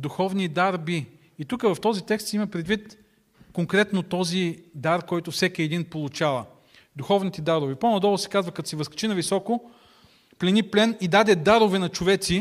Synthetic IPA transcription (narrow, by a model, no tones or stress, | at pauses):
d̪uxɔvnid̪aɾbiː | t̪ukəvɐft̪ɔzit̪ɛkst̪sɛimɐpɾɛd̪vit̪ | koŋkɾɛt̪not̪ɔzid̪aɾkɔjt̪ʊfsɛkiɛd̪inpolˠʊt͡ʃalɐ | d̪uxɔvnit̪ɛd̪aɾʊvipɔnɐd̪ɔlˠʊsɛ̥kazvɐkɐt̪sɛvəskɾɛ̥t͡ʃinɐvisɔko | plɛniplɛnid̪ad̪ɛd̪aɾʊvɛnɐt͡ʃʊvɛt̪si